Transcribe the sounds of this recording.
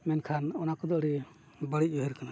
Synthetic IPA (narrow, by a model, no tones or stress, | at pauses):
mɛnkʰanɔnakɔd̪ɔɾi | bəɽic̚əɦiɾkana